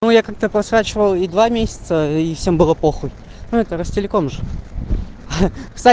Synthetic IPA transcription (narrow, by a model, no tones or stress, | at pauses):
nujakak̚t̪əpɾɐsɾat͡ɕɪvəlˠid̪vamʲesʲɪ̥t̪səifsʲembɨlˠəplˠoxɨj | nuɛt̪əɾəsʲtʲɪlʲɪkomʐɨ | kst̪a